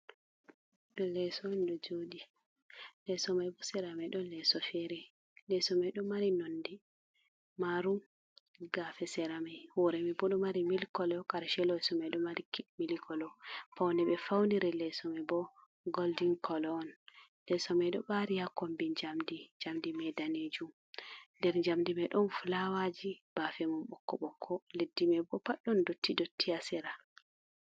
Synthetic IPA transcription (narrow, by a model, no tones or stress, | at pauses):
ɗɔlɛsɔɔnɗɔd͡ʒoɗi | lɛsɔmajbɔsɛɾamajɗɔlɛsɔfɛɾɛ | lɛsɔmajɗɔmaɾinondi | maɾu | ɡafɛsɛɾamajhɔɾɛmibɔɗɔmaɾimilkɔlɔkaɾʃɛlɔɛsɔmajɗɔmaɾikimilikɔlɔfawnɛɓɛfawniɾɛlɛsɔmɛbɔ | ɡoldiŋkʰɔlɔːnlɛsɔmɛjɗɔɓaɾijakombid͡ʒamdid͡ʒamdimɛdaned͡ʒum | ndɛɾɲd͡ʒamdimɛɗɔnfulawad͡ʒib̥afɛmumɓɔkːɔɓɔkʰːɔledːimɛbɔpaɗːɔndotʰːidotʰːiasɛɾa